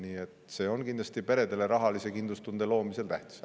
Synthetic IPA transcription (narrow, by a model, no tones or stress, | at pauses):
niːe̞t̪se̞ːo̞nkind̪lɑst̪ipe̞ɾe̞d̪e̞le̞ɾɑɦɑlise̞kind̪lust̪und̪̥e̞lo̞ːmise̞lt̪æht̪i̥se